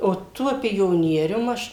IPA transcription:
oː ˈtuɔ pʲoːˈnʲiɛrʲʊm ˈɐʃ

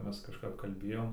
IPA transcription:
ˈmʲɛs kɐʃˈkɐp kɐlʲˈbʲeːjoːm

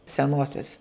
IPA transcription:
sʲɛˈnuɔsʲoːs

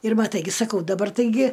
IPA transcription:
ɪr mɐˈtɐɪ ɡʲɪ sɐˈkɐʊ dɐˈbɐr tɐɪˈɡʲɪ

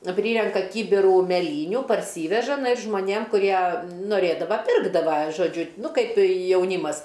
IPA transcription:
ˈpʲrʲiːrʲɛŋkɐ ˈkʲiːbʲɪruː mʲɛˈlʲiːnʲʊ pɐrʲˈsʲiːʋʲɛʒɐ ʒmoːˈnʲeːm kʊˈrʲiɛ noːˈrʲeːdɐʋɐ ˈpʲɪrɡdɐʋɐ ʒoːˈd͡ʒʲʊ ˈnʊ ˈkɐɪp jɛʊˈnʲiːmɐs

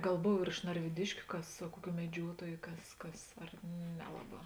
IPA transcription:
ˈɡɐlˠ ˈboːw ɪr ɪʃ nɐrʲʋʲɪˈdʲɪʃʲkʲʊ ˈkɐs ɐ ˈkʊˌkʲuː mʲɛˈd͡ʒʲuɔtuɔjʊ ˈkɐs ˈkɐs ɐr ˈnʲæːlˠɐˌbɑː

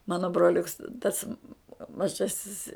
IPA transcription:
ˈmɑːnoː broːˈlʲʊks tɐs mɐˈʒɑːsʲɪs

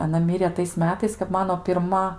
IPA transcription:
ɐˈnɐ ˈmʲɪrʲeː tɐɪs ˈmʲæːtɐɪs kɐp ˈmɑːnoː pʲɪrˈmɐ

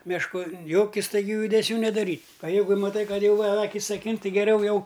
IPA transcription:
mʲɛʃˈkʊ ˈjoːkʲɪ stɐɪˈɡʲuː jʊdʲɛˈsʲuː nʲɛdɐˈrʲiːtʲ ɐ ˈjɛɪɡʊ mɐˈtɐɪ ˈkɐt ˈjɛʊ ɐ ˈɑːkʲɪs ɐˈkʲɪn ˈtʲɪ ɡʲɛˈrʲɛʊ ˈjɛʊ

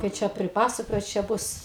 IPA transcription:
kɐɪ ˈt͡ʃʲɛ pʲrʲɪˈpɑːsɐkoːjɛʊ t͡ʃʲɛ ˈbʊs

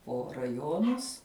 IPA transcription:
poː rɐˈjoːnʊs

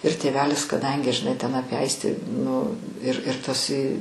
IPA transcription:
ɪr tʲeːˈʋʲæːlʲɪs kɐˈdɐŋʲɡʲɪ ʒʲɪˈnɐɪ tʲɛn ˈɑːpʲiɛ ˈɐɪsʲtʲiː nʊ ɪr ɪr ˈtɐs ɪ

